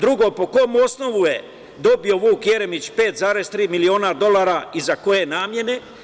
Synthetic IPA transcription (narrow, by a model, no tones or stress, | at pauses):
d̪ɾuɡo̞po̞ko̞muo̞sno̞ʋuje̞ | d̪o̞bio̞ʋuːkje̞ɾemit͡ɕpe̞ːt̪zaːɾe̞zt̪ɾiːmilio̞ːnad̪o̞laːɾaizako̞je̞naːmje̞ne̞